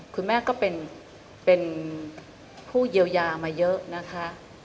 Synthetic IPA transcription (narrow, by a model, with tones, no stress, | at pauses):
kʰu˧nmɛː˥˩kɔː˥˩pe˧n | pe˧n | pʰuː˥˩ji˧əwjaː˧maː˧jɤ˦˥ʔna˦˥kʰa˦˥ʔ